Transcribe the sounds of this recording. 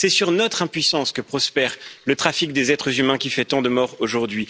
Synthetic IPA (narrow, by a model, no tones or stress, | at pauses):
sɛsyʁnɔt̪χɛ̃pɥisɑ̃skəpχɔspɛʁlət̪χafik̚d̪ezɛt̪χəzymɛ̃kʲifɛt̪ɑ̃d̪əmɔʁoʒuʁd̪ɥi